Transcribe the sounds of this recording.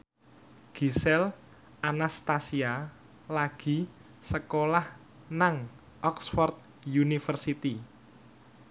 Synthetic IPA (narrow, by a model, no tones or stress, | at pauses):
ɡ̥i̤sɛl | ʔanast̪asia | laɡ̥i̤ | səkolah | naŋ | ʔɔksfɔrt̪̚ | junifərsit̪i